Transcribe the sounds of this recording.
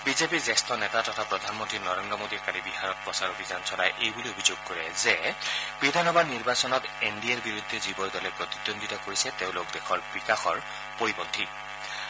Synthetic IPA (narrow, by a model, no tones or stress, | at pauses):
bizepizɛstʰɔnɛtatɔtʰapɹɔdʱanmɔntɹinɔɹendɹɔmodikalibiɦaɹɔt̚pɔsaɹobʱizansɔlajʔejbuliobʱizoɡ̚kɔɹɛzɛb̥idʱanɔbaniɹbasɔnɔtendiɛɹbiɹud̪ʱːɛzibɔɹdɔlɛpɹɔt̪id̪ɔnditakoɹisɛteʊ̃lok̚dɛkʰɔɹbikaxɔɹ | poɹibontʰi